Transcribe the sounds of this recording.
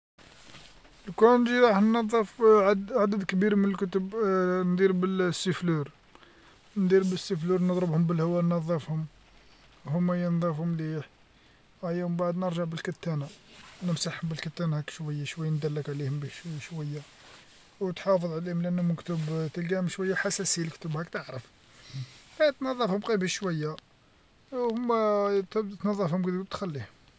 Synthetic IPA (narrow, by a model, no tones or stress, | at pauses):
lkunʒiɾˤɑħnːɑðˤːəfʕʕad̪əd̪kbiɾmənəlkʊt̪əbnd̪iɾbəlsːəfluɾ | nd̪iɾbəsːifluɾnəd̪ˤɾəbhʊmbəlhwænnɑðˤːəfhʊm | hʊmːæjənd̪ˤɑfhʊmliħ | æjæmbaʕd̪nəɾˤʒəʕbəlkæt̪ːænanəmsaħhʊmbəlkət̪ːænahækʃwæjːaʃwæjːand̪ælːəkʕlihʊmbiʃwæjːa | wt̪ħɑfəðˤʕlihʊmlʔənːhʊmkt̪əbt̪əlɡæmʃwæjːaħasæsiləkt̪əbhækt̪əʕɾəf | hæt̪nɑðˤːɑfhʊmqibiʃwæjːa | hʊmːæt̪b̪t̪nɑðˤːɑfhʊmkd̪ɡt̪xælːihʊm